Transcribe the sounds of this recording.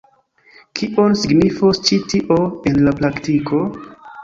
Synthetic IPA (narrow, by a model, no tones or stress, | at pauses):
kʰiʔonsiɡnifost͡ʃitiʔo̞e̞nlapɾaktikʰo̞